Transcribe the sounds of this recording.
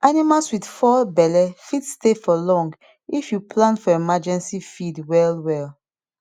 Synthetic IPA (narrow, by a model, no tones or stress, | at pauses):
animalswidfɔbɛlɛfidstefɔlɔ̃ŋɡ | ifjupʰlãnfɔemad͡ʒɛ̃nsifidwɛlwɛl